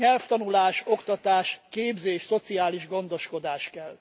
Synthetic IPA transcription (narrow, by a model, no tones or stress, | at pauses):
ɛlft̪ɒnulaːʃo̞kt̪ɒt̪aːʃkeːbzeːʃso̞t̪siaːliʒɡo̞nd̪o̞ʃko̞d̪aːʃkɛlː